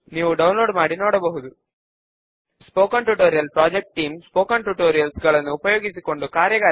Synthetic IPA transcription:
niːʋuɖɐwnloːɖmaːɽinoːɽɐbɐɦud̪u | spoːkaɳʈuʈoːɾijɐlpɾaːd͡ʒek̚ʈ̚ʈiːmspoːkaːɳʈuʈoːɾijɐlsɡɐɭɐnːuːpɐjoːɡisiko̞ɳɖukaːɾjɐɡaː

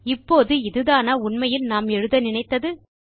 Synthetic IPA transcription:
ɪpːoːðɯɪðɯðaːnɐʊɳmɐjɪlnaːmɛɻɯðɐnɪnɐɪt̪ːɐðɯ

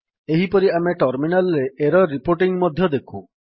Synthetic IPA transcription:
eɦipɔɾiameʈɔɾminalɔɾeeɾɔɾipoɾʈiŋmɔd̪ʱjɔd̪ekʰũ

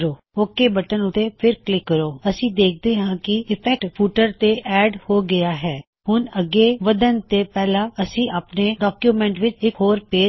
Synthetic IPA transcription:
ɾoː | oːkeːbəʈənʊt̪ːeːpʰɪɾklɪkːəɾoːəsĩːd̪eːk̚ʰd̪eːɦãːkɪɪpʰɛk̚ʈpʰuːʈəɾt̪eːʔɛːɖhoːɡɪjaːɦɛː | hʊnəɡːeːʋəd̪ənt̪eːpɛːlãːəsĩːʔaːpneːɖɔːkjuːmɛ̃ːɳʈʋɪt͡ʃɪkɦoːɾpeː

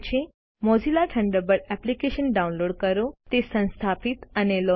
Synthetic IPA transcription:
t͡ʃʰe | mod͡ʑilaʈʰəɳɖəbəɽɛplikeʃənɖaunloɽkəɾot̪esə̃ñst̪ʰapit̪ənelɔ

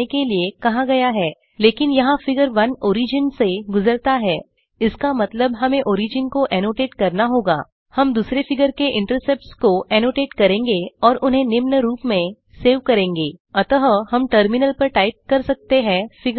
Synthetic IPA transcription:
ekeliekɐɦãɡɐjaɦɛː | leːkɪnjɐɦãfɪɡəɾʋɐnoːɾiːd͡ʒənseɡʊzəɾt̪aɦɛː | ɪskamɐt̪ləbɦɐmẽʔoːɾiːd͡ʒənkoʔɛːnoːʈeːʈkɐɾnaɦoːɡa̰ː | hɐmd̪uːsɾefɪɡəɾkeʔɪ̃ɳʈəɾsɛp̚ʈskoʔɛːnoːʈeːʈkɐɾẽːŋɡeɔːɾʔʊnɦẽnɪmnɾuːpmẽ | seːʋkɐɾẽːŋɡeːɐt̪əɦhɐmʈəɾmɪnəlpɐɾʈaːɪp̚kɐɾsɐk̚t̪eɦɛ̃ːfɪɡ

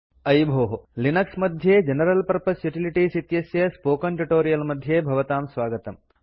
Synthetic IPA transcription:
ɐjbʱoːɦɐlinɐksmɐd̪ʱjeːd͡ʒɐnɐɾɐlpɐɾpɐsjuʈiliʈiːsit̪jɐsjɐspoːkɐɳʈuʈoːɾijɐlmɐd̪ʱjeːbʱɐʋɐt̪aːmsʋaːɡɐt̪ɐm

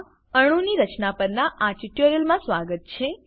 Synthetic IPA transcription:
əɽ̃ũniɾət͡ʃnapəɾnaʔaʈiʈoɾiəlmãsʋaɡət̪̚t͡ʃʰe

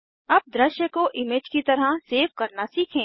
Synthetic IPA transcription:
ɐb̚d̪ɾəʃjəkoʔɪmed͡ʒkit̪ɐɾaseːfkɐɾnasiːkʰẽː

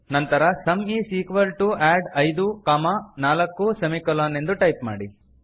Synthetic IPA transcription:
nɐnt̪ɐɾɐsɐmiːsiːkʋɐlʈuæːɖɐjd̪ukamanaːlɐkːusɐmikɐlaːne̞nd̪uʈɐjpma̰ːɽi

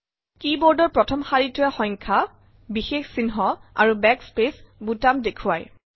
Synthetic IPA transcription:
kibɔɹdɔɹpɹɔtʰɔmxaɹitʊɛxɔŋkʰa | bixexsinɦɔa̰ɹubɛkspesbutamdekʰʊwaj

